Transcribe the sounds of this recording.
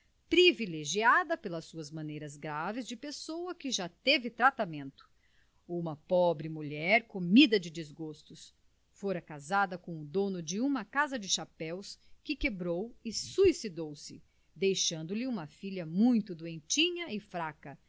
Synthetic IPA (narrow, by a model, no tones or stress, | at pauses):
pɾivileʒiad̪ɐpelɐsuɐzmɐ̃nejɾɐzɡɾavɪzd͡ʒɪpesowɐkɪʒat̪evɪt̪ɾat̪amẽnt̪ʊ̥ | ũmɐpɔbɾɪmuʎɛɾkomid̪ɐd͡ʒɪd͡ʒɪzɡost̪ʊs | foɾɐkazad̪ɐkõʊd̪õnʊd͡ʒɪũmɐkazɐd͡ʒɪʃapɛwskɪkebɾowɪsuisid̪owsɪ | d̪ejʃɐ̃nd̪ʊlɪũmɐfiʎɐmũj̃t̪ʊd̪uẽnt͡ʃĩɲɐɪfɾakɐ